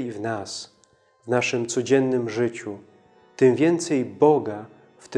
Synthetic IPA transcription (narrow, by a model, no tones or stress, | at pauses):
ivnas | vnaʂɘmt̪sɔd͡ʑɛnːɘmʐɘt͡ɕu | t̪ɘmvʲjɛnt̪sɛjbɔɡa | ft̪